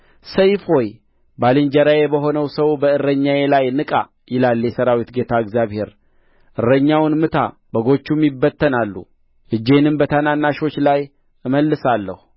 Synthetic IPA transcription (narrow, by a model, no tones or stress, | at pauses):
səjfhoj | balɨnd͡ʒəɾajebəɦo̞nəwsəwbəɨrːəɲːajelajnɨkʼa | jɪlaljɛsəɾawit̪ɡe̞t̪ʰaɨɡzjaβhe̞ɾ | ʔɨrːəɲːawnmɨt̪ʰa̰ | bəɡo̞t͡ʃːumibːət̪ʰːənalːṵ | ʔɨd͡ʒːe̞nɨmbət̪ʰananːaʃo̞t͡ʃːlaj | ɨməlːɨsalːə̰hu